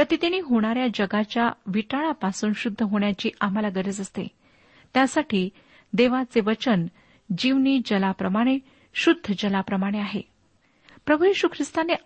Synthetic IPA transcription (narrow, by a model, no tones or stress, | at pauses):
pɾət̪it̪iniːɦoɽ̃aɾjad͡ʑəɡat͡ɕjaʋiʈaɭ̃apasuːnɕud̪ʱːəɦoɳ̃jat͡ɕiːʔam̤alaɡəɾəd͡zəst̪ḛ | t̪jasaʈʰiː | d̪eʋat͡seʋət͡ɕən | d͡ʑiʋniːd͡ʑəlapɾəmaɽ̃e | ɕud̪ʱːəd͡ʑəlapɾəmaɽ̃eaɦe | pɾəbʱujiɕukʰɾist̪ane